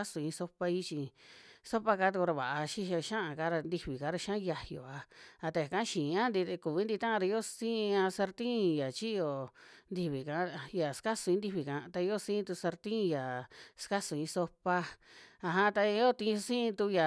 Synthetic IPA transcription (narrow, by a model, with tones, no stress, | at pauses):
a˦su˧ĩ˧so˧pa˧i˦t͡ʃi˧so˦pa˧ka˧˦t̪u˧ku˧ɾa˧βa̰˨ʔa˧ʃi˦ʃa˧ʃã˦ʔa˧ka˦ɾa˧nd̪i˧βi˨ka˨˦ɾa˧ʃã˦˧ja˧jo̰˨a˧a˧t̪e˧a˨kã˦ʃĩː˨˧ã˦nd̪i˧t̪e˧ku˨βi˧˦nd̪i˧t̪ã˦ã˧ɾa˧i˧˦o˦sĩ˦˧ã˧sa˧ɾt̪ĩ˦˨ja˨t͡ʃi˦jo˧nd̪i˧βi˨kã˨˦ja˨ska˦su˧ĩ˧nd̪i˧βi˧kã˨˧t̪a˧i˧˦o˦˨sĩ˦˧t̪u˧sa˧ɾt̪ĩ˦˧ja˨ska˦su˧˨ĩ˧so˧pa˧a˧ɦã˧t̪a˧i˧˦o˦t̪ĩ˧sĩ˦˧t̪u˧ja˨